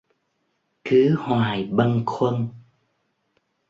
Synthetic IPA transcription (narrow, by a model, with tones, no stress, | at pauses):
kɨ˨˦hwaː˨˩jɓə˧nxʰwə˧n